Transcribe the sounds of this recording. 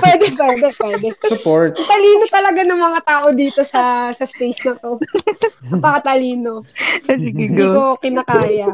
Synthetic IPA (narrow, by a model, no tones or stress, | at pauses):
pwɛːd̪ɛpwɛːd̪ɛpwɛːd̪ɛsʊpoɹt̪t̪ɐliːno̞t̪ɐlɐɡanɐŋmɐŋat̪aːʔo̞d̪iːt̪o̞sɐsɐst̪ejsnɐt̪o̞ | ɐpɐkɐt̪ɐliːnoɐsiiɡkokɪnɐkaːjɐ